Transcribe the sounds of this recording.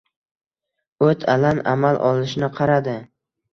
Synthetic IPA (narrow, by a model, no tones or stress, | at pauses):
ɵt̪ʰalana̰malʔɒlˠɪʃnɪqʰɑɾad̪ɪ